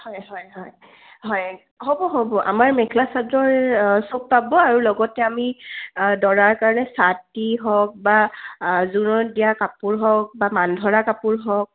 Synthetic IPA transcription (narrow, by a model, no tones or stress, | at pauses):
hɔjɦɔjɦɔj | hɔj | ɦobɔɦobɔʔa̰maɹmɛkʰlasadɔɹsok̚pabɔaɹulɔɡɔtɛamidɔɹaɹkaɹɔnɛsatiɦɔk̚ba | zuɹɔdijakapʊɹɦɔk̚bamandʱɔɹakapʊɹɦɔk̚